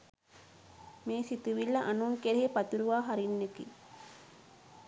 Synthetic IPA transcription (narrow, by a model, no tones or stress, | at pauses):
meːsit̪uʋilːɐʔanuŋkeɾeɦepɐt̪uɾuʋaːɦaɾinːekḭ